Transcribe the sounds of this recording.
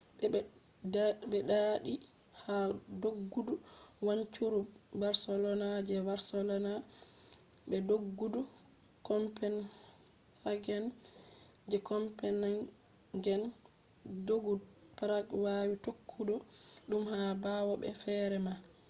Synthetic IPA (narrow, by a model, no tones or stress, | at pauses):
bɛɗaɗi | hadoɡːuduwaɲt͡ʃuɾubaɾsɛlɔnad͡ʒɛbaɾsɛlɔna | bɛdoɡːudu | kɔmpɛn | haɡɛn | d͡ʒɛkɔmpɛna | ɡɛn | doɡupaɾakwawitokʰːudɔɗumhabawɔbɛ̰fɛɾɛma